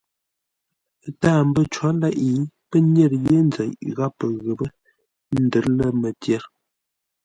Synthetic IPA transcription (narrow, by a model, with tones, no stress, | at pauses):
taː˦˨m̩bə˦t͡ʃwa˨˦la˦ʔi˨˦pə˦nje˦˨ɾje˦n˦d͡zə˨ŋ˨ɣa˦pːə˨ɣə˨bə˦ | n̩˦də˨˦ɾlə˦mə˨tjɛ˦˨ɾ